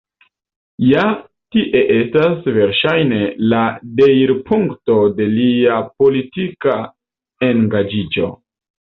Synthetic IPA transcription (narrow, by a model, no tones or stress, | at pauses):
ja | tiʔe̞ʔe̞stasve̞ɾʃajne̞lade̞jɾpʰuŋkto̞de̞liapo̞litika | e̞ŋɡad͡ʒid͡ʒo̞̰